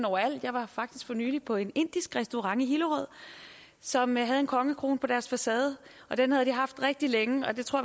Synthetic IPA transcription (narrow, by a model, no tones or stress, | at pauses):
nɒʊɐæl̰d̥jɑ̈ɪʋɑ̈fɑ̈ɡ̥̚d̥isɡ̥fɒ̽ny̰ːlipʰɒ̽e̝ne̝n̰d̥isɡ̥ʁɛsd̥o̝ʁɑ̈ŋiɦiləʁɔð̞̰ˠ | sɒ̽mɦæðˠe̝nkʰɒ̽ŋəkʰʁo̝̰ːnpʰɒ̽ɾ̥æɐsfæsɛːð̞̩ˠ | ʔɒ̽d̥enhæð̞ˠd̥iɦɑ̈fd̥ʁeɡ̥̚d̥ileŋəɒ̽d̥e̝t͡sʰʁo̰